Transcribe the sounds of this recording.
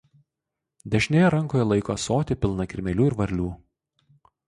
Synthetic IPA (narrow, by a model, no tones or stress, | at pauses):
d̪ʲɛʃʲnʲeːjɛɾɐŋˑkoːjɛlˠɐɪkoːsoːt̪ʲɪpʲɪlˠnɐkʲɪɾʲmʲɛlʲuːɪɾʋɐɾʲlʲuː